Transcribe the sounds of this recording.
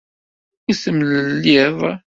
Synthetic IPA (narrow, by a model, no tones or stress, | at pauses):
isəmliðˤ